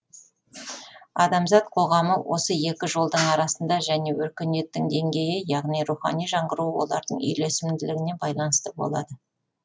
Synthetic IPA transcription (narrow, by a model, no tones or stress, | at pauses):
ɑ̰d̪ɑmzɑt̪qʰo̞ʁɑməwʔo̞səe̞kʲɪʒo̞lˠd̪əɴɑɾɑsənd̪ɑʒæne̞wɵɾkʲɪne̞t̪ːɪŋd̪e̞ŋɡʲe̞jɪjɑʁnijɾuχɑ̰nijʒɑɴʁəɾuwo̞̰lˠɑɾd̪əɴʏ̰jle̞sɪmd̪ɪlɪɡʲɪne̞bɑjlˠɑnəst̪əbo̰lˠɑ̰d̪ə